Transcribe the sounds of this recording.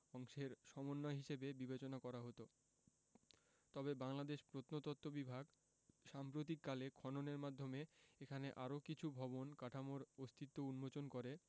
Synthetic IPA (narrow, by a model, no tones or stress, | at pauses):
ɔŋʃeɾʃɔmonːɔeɦiʃebebibet͡ɕonakɔɾaɦot̪o | t̪ɔbebaŋlad̪eʃpɾot̪not̪ɔt̪ːobibʱaɡ | ʃampɾot̪̬ikːalekʰɔnoneɾmad̪ʱːomeekʰaneʔaɾokit͡ɕʰubʱɔbonkaʈʰamoɾost̪ʰit̪ːounmot͡ɕonkoɾe